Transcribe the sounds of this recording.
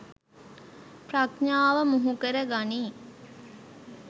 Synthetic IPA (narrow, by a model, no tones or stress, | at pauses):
prakɲaːʋəmuɦukəɾəɡaniː